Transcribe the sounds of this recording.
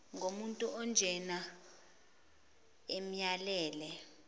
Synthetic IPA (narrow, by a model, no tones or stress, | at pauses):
ŋʱomuntʼuʔɔnd͡ʒʱɛna | emjalɛːlɛ